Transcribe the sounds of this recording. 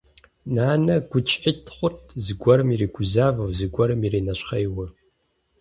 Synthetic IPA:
naːnɐɡʷʊt͡ʃʼħitʰχʷʊtʰzɨɡʷɐɾmiɾiːɡʷʊzaːvɐwzɨɡʷɐɾɨmiɾiːnɐʃχɐjwɨ

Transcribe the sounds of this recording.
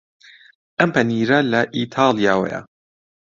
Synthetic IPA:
ʔɐmpʰɐniːɾɐlɐʔiːt̪ʰɑːlˠjaːwɐ̰jɐ̰

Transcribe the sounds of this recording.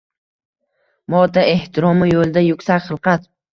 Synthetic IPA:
mɒt̪ae̞ht̪ʰɪɾɒmɪjolˠd̪ajʊkʲsakʲχɨlˠqɑt̪

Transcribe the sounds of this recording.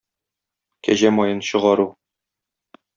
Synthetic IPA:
kæʑæmɒjɤnɕɤ̆ʁɑɾu

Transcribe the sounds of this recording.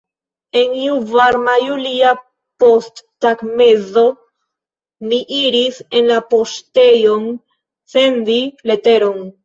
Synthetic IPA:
e̞niuvaɾmajulia | po̞stːakme̞zo̞ | miʔiɾise̞nlapo̞ste̞jo̞n | se̞ndile̞te̞ɾo̞n

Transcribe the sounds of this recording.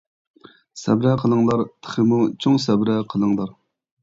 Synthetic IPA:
sɛ̰bɾɛqʰəlˠəŋlˠɑɾt̪ʰə̥χəmut͡ʃʰoŋsɛbɾɛqʰəlˠəŋlˠɑɾ

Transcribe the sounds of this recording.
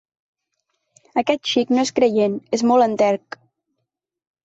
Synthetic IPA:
əkɛt̪̚ʃiknoeskɾəjenezmɔlˠənt̪ɛɾk

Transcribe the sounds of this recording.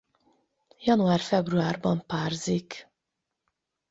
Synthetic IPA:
jɒnuaːrfɛbruaːrbɒmpaːrzik

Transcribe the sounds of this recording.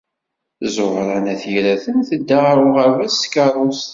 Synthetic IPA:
zʊʁɾˤɑnæθjɾæθənθəd̪ːaɾˤʊʁavæskɑɾˤos

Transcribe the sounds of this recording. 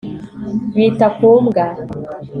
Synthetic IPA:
witakomɡa

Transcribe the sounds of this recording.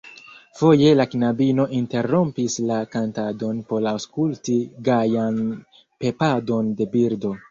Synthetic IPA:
fo̞je̞laknabino̞ʔinte̞ɾo̞mpislakantado̞npo̞ɾawskultiɡajan | pe̞pado̞nde̞biɾdo̞

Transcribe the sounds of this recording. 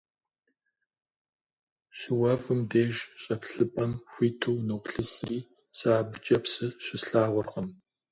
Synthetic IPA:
ɕɪwɐvɨmdeːʒɕʼɐpɬɨpʼɐmxʷiːtʰuːnuːpɬɨsriː | saːbɨt͡ʃʼɐpsɨɕɪsɬaːʁʷʊrʁɐm

